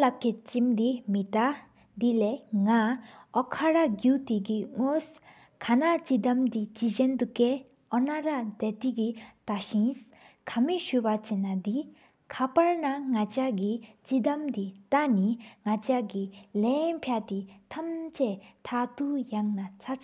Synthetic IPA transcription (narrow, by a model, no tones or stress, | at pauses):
lap̚kʰet͡ɕimd̪imit̪a | d̪ilɛːŋaʔɔkʰaɹaɡut̪ikiŋos | kʰanat͡ɕid̪amt̪it͡ɕiʑɛnt̪ukɛ | ʔɔnaɹad̪ɛt̪ikit̪aɕins | kʰamiɕypat͡ɕenad̪i | kʰapaɹnaŋat͡ɕaɡit͡ɕid̪amt̪it̪aniŋat͡ɕaɡilɛnpʰjaʔt̪it̪ʰamt͡ɕɛt̪ʰat̪ujaŋnat͡sʰat͡sʰ